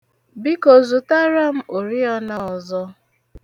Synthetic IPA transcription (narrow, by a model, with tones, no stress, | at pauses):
bi˦ko˨zu˨ta˦ɾa˦m̩˦o˨ɾi˦ɔ˦na˦ɔ˨zɔ˦